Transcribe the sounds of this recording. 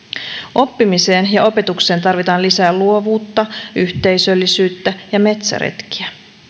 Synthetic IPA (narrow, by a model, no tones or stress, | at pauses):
ʔo̞pːimise̞ːnjɑo̞pe̞t̪ukse̞ːnt̪ɑrʋit̪ɑːnlisæːluo̞ʋuːt̪ːɑyçt̪e̞jsø̞lːisyːt̪ːæjɑme̞t̪sæ̰ɾḛt̪ki̥æ